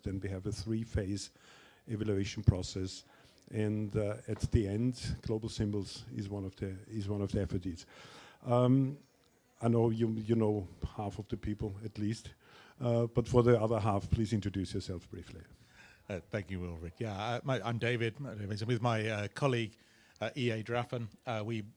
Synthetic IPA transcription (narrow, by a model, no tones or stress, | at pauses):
ðɨ̃nwiɨvɨθɹifeɪz | ɛvælueɪʃn̩pʰɹ̥ɔsɛs | ʔɨ̃ndɨt̪ðiɛ̃ndɡ̥loʊbl̩ˠsɪ̃mbl̩ˠz̥ɪzwʌ̃nʌvðiɪzwʌ̃nʌvðiɛfətiz̥ʌm | aɪnoʊjɨjɨnoʊhafʌvðɨpʰipəl̩ˠɨtˡlist | b̥ʌtfə˞ðiʌðə˞ɦafpʰl̥izɪ̃ntɹ̥ədʉsjə˞sɛlˠfb̥ɹifli | θæ̃ŋkjɨwɪlˠvɹɪdjæʌmaɪãɪ̃mdeɪvɪdavez̃wɨðmaɪʌkʰɒliɡ | ʌʔiːeɪdɹafə̃nʌwi